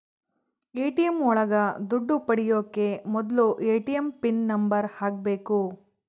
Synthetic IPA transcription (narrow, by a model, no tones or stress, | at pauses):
eːʈijɐmɔɭɐɡɐd̪uɖːupɐɽijoːkːe̞mɔd̪ɐluʔeːʈijɐmpinːɐmbɐɾhaːɡ̚be̞ːku